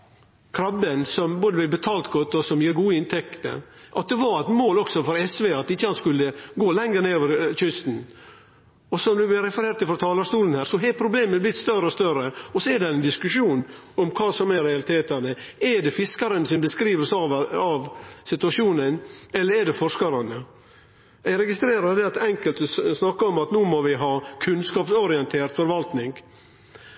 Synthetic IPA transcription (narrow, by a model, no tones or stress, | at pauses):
kʰɾɑbːənsɔmboːd̪əblɛɪbɛt̪ʰɑːlt̪ɡɔt̪ːɔsɔmjiːɡuːəɪnt̪ʰɛkt̪ə̰ʔɑt̪̚d̪ɛʋɑɾɛt̪moːlɔksɔfɔɾɛsʋeːɑt̪ɪçːəhɑnskʉlːəɡoːlɛŋəɾneoːʋəɾçʏst̪n̩ | ɔsɔmd̪ʉblɪɾɛfəɾeːɾt̪ːɪfɾɔt̪ʰɑːləʂt̪uːlən̩hæːɾsɔɦɛpʰɾʊbleːməblɪt̪st̪œɾəɔst̪œɾəɔsɔɛɖ̪ɛɛnd̪ɪskʉʂuːn | ɔmkʰɑːsɔmæɾɛɑlɪt̪ʰeːt̪ənəɛɖɛfɪskɑɾənsɪnbəskɾiːʋəsɑʋɑʋsɪt̪ʉɑʂuːnənɛlːəɾɛɖɛfɔʂkɑɾɑnə | æɪɾɛɡɪst̪ɾeːɾɑd̪ɛɑt̪ɛŋkəlt̪snɑkːəɔmɑt̪nuːmɔʋɪɦɑːkʰʉnskɑːpsɔɾɪɛnt̪ʰeːɾt̪fɔɾʋɑlt̪nɪŋɡ